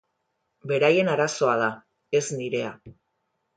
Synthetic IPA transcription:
be̞ɾaje̞naɾaso̞að̞a | e̞zniɾe̞a

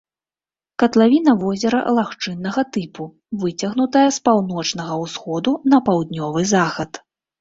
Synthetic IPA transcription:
kɐt̪lˠavʲin̪ɐvɔzʲɛɾɐ̰ʔlˠaxt͡ʂɨnːɐɣɐt̪ɨpu | vɨt͡sʲɐɣnut̪ɐjɐspawnɔt͡ʂnɐɣɐwsxɔd̪unɐpawd̪nʲɔvɨzaxɐt̪

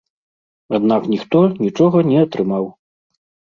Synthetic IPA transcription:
ad̪naknʲixt̪ɔnʲit͡ʂɔɣɐnʲɛɐt̪ɾɨmaw

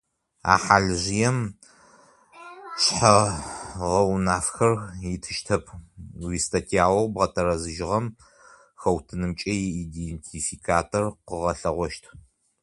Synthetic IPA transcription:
a̰ːħaːɮɨʑɪjɛm | ɕʼħɐ | ʁɐwnaːfxɐrjɪtʰɨʃtʰɐpʰwiːstʰɐtʰiaːwɐwbʁɐtʰɐɾɐzɨʒɪʁɐm | xɐwtʰɨnɨmt͡ʃʼɐjiidentʰifikʰaːtʰorqəʁɐɬɐʁʷɔʃtʰ

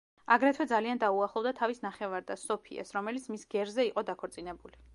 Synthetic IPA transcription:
aɡɾɛt̪ʰwɛd̪zaliand̪auaχlˠɔvd̪at̪ʰavisnaχɛvaɾd̪asɔpʰḭa̰sɾɔmɛlit̪sʰmisɡɛɾzɛiqʼɔd̪akʰɔɾt̪sʼinɛbuli

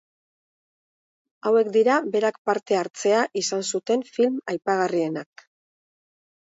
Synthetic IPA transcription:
awe̞kd̪iɾaβe̞ɾakpaɾt̪e̞aɾt͡se̞aʔisansut̪e̞ɱfilmajpaɣ̞arie̞nak̚

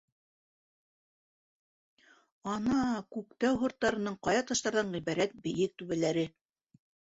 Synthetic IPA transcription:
ɑnɑkʉkt̪æwɦŏɾt̪ːɑɾɤ̆nɤɴqɑjɑt̪ɑʃt̪ɑɾðɑɴʁiβæɾæt̪̚bɘ̆jɘk̚t̪ʉβælæɾɘ

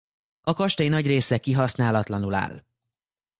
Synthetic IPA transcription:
ɒkɒʃt̪ɛjinɒɟreːsɛkiɦɒsnaːlɒt̪lɒnula̰ːl

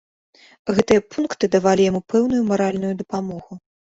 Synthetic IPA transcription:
ɣɛt̪ɨjɐpunkt̪ɨd̪avalʲijamupɛwnujumaɾalʲnujud̪ɐpamɔɣu

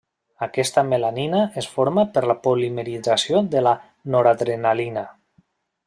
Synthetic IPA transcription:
akɛst̪amelaninaesfoɾmapəɾlapolimeɾid͡zasiod̪əla | noɾad̪ɾenalina

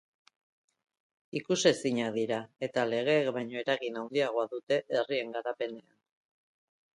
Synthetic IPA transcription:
ikuse̞siɲaðiɾae̞t̪ale̞ɣ̞e̞ːkbajɲo̞e̞ɾaɣinawnd̪iaɣ̞o̞aðut̪e̞ʔːrie̞ŋɡaɾape̞ne̞an

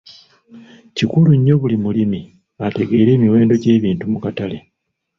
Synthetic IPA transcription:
cikuluɲːo̞βulimulimi | ate̞ɡe̞ːɾe̞ːmiwe̞ːndo̞ɟe̞ːβiːntumukatale̞

